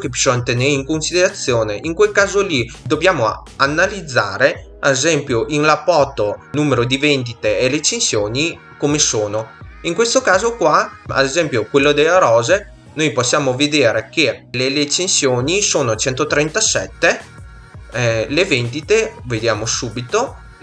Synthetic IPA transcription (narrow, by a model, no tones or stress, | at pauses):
kepi̥sɔnt̪eneiŋkonsid̪eɾat̪sːjoːneʔiŋkwelkaːzolid̪objaːmo | anːalid̪zːa̰ːɾe | aezɛmpjoʔiŋlapːɔːt̪onuːmeɾod̪ivend̪it̪eelet͡ʃensjoːni | komesoːnoiŋkwest̪okaːzokwaa̰d̪ezɛmpjokwelːod̪elaɾɔːze | nojposːjaːmoved̪eːɾek̟elelet͡ʃensjoːnisoːnot͡ʃɛnt̪ot̪ɾɛnt̪asɛt̪ːe | levend̪it̪eved̪jaːmosuːbit̪o